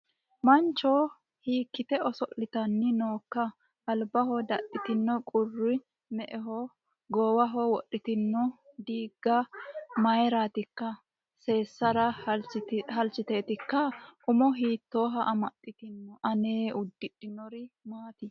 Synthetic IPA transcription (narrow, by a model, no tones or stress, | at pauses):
mɐnt͡ʃːoː | hiːkːɪt̪ɛɔsɔʔɪt̪ɐnːɪnoːkːɐ | ɐlbɐɦɔd̪ɐʔɪt̪ɪnːɔkʼʊrːɪ | mɛʔɛɦɔ | ɡɔːwɐɦɔwɔʔːɪt̪ɪnːɔd̪iːɡːɐmɐjɾaːt̪ɪkːɐ | se̞ːsːɐɾɐ | ɦɐlt͡ʃːɪt̪e̞ːt̪ɪkːɐʔʊmɔɦiːt̪ːo̞ːɦɐʔɐmɐtːɪt̪ɪnːɔʔɐneːʊd̪ːɪᶑɪnɔɾɪmaːt̪ɪ